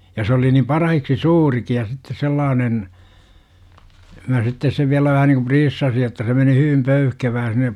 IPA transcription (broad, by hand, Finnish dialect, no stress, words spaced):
jɑ s oli nim pɑrɑhiksi suːriki jɑ sitːe selːɑːnen mæ sitːes seʋ ʋiælæ ʋæhæ niku priːsːɑsi etːæ se meni hyʋim pøyhkeʋæː sinˑe